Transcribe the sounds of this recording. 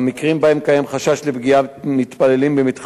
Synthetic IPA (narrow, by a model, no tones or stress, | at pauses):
mikʁimbahe̞mkajemχaʃaʃlebɡiamit̪pale̞limbemit̪χ